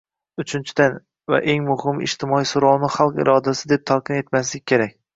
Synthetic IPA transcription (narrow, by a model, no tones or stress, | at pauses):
ʊt͡ʃʰɪnt͡ʃʰɪd̪an | va̰ʔe̞ŋmʊhɪmɪ̰ʃt̪ʰɪmɒisoɾɒwnɪχalˠqɪ̰ɾɒd̪asɪd̪e̞p̚t̪ʰalˠqʰɨne̞t̪maslɪkʲkʰʲːe̞ɾak̚ʲ